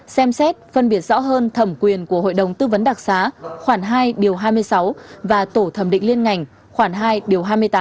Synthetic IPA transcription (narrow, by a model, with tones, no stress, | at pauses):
sɛ˧msɛ˦˥t̚fə˧nɓi˦˧˩ət̚zɔ̰˧˥ɦəː˧nt̪ʰə˧˩mkwi˨˩ənku˧˩əɦo̰˧˨jɗə˨˩wŋ͡mt̪ɨ˧və˨˦nɗa˨˩k̚saː˨˦xwaː˧˩ŋɦaː˧jɗi˨˩əwɦaː˧jmɨ˧əjsa˨˦wvaː˨˩t̪o˧˩t̪ʰə˧˩mɗḭ̈˧˨ŋ̟li˧ənŋa˨˩jŋ̟ | xwaː˧˩nɦaː˧jɗi˨˩əwɦaː˧jmɨ˧əjt̪aː˨˦